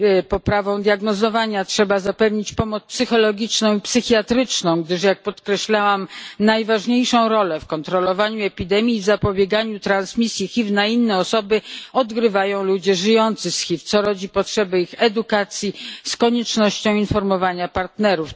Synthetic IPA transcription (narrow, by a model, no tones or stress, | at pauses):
pɔpɾavɔ̃w̃d̪jaɡnɔzɔvaɲatʂɛbazapɛvɲit͡ɕpɔmɔt̪spsɘxɔlɔɡʲit͡ʂnɔ̃w̃ipsɘxʲjat̪ɾɘt͡ʂnɔ̃w̃ɡd̪ɘʂjak̚pɔt̪kɾɛɕlawamnajvaʐɲejʂɔ̃w̃ɾɔlɛfkɔnt̪ɾɔlɔvaɲuɛpʲid̪ɛmʲjiːvzapɔbʲjɛɡaɲut̪ɾansmʲisʲjixʲivnainːɛɔsɔbɘɔd̪ɡɾɘvajɔ̃w̃lud͡ʑɛʐɘjɔnt̪sɘsxʲift̪sɔɾɔd͡ʑipɔtʂɛbɛixɛd̪ukat̪sʲjiskɔɲɛt͡ʂnɔɕt͡ɕɔ̃w̃infɔɾmɔvaɲapaɾt̪nɛɾuf